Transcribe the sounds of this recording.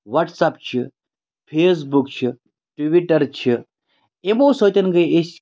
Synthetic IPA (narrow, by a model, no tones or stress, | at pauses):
ʋɐʈsap̚t͡ʃʰi | pʰeːs̬bukt͡ʃʰi | ʈʋiʈɐɾt͡ʃʰi | emoːsot̪ɐnɡɐjes